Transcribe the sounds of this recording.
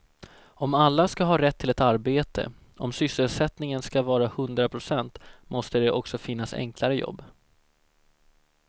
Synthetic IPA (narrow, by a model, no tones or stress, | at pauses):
ɔmalːaskaɦɑːɾɛt̪ʰːɪlɛt̪aɾbeːt̪ʰə̰ | ʔɔmsʏsəlsɛt̪nɪŋənskavɑːɾahɵnd̪ɾapʰɾʊsɛnt̪mʔɔst̪əd̪ɛʔɔksɔfɪn̪ːasɛ̰ŋklaɾəjɔ̰bː